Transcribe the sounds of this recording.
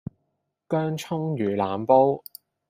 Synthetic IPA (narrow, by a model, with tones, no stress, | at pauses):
kœː˥ŋt͡ʃʰʊ˥ŋjyː˨˩laː˨mpo˥w